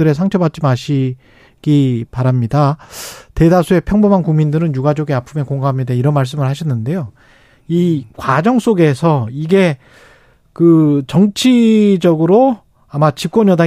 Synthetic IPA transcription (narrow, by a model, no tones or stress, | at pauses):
ɯɾesʰaŋt͡ɕʰʌbat̚t͡ɕ͈imaɕʰi | ɡ̥ipaɾamɲidate̞dasʰue̞pʰjʌŋbomɦankuŋmindɯɾɯnjuɡad͡ʑoɡeapʰɯme̞koŋɡaɦamɲidaiɾʌnmaɭs̬͈ɯmɯɭhaɕʰʌnːɯnde̞jo | ikwad͡ʑʌŋs͈oɡe̞sʰʌiɡe̞ | kɯt͡ɕʌŋt͡ɕʰid͡ʑʌɡɯɾo | amat͡ɕip̚k͈wʌnjʌda